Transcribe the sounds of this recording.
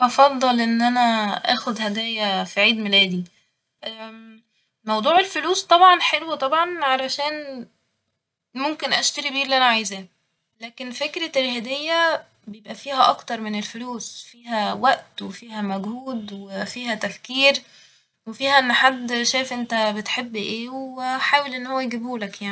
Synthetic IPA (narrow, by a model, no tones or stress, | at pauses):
ʔɑfɑd̪ˤːɑlʔenːʔænæʔæːxod̪hæd̪æːjæfiʕiːd̪melæːd̪i | ʔ | mɑwd̪ˤuːʕelfʊluːst̪ˤɑbʕɑnħelwæt̪ˤɑbʕɑnʕalæʃæːn | momkenʔæʃt̪æɾikbiːɾliʔænæʕajzæː | læːkenfekɾælɦæd̪ejːæ | bejebʔæfiːhæʔɑkt̪ɑɾˤmenelfʊluːsfiːhæwæʔt̪wefiːhæmæɡhuːd̪wefiːɦæt̪æfkiːɾ | wefiːhæʔenːħad̪ːʃæːjefʔent̪æbet̪ħebːʔeːweħaːwelʔenːhowːæjeɡebuːlækjaʕni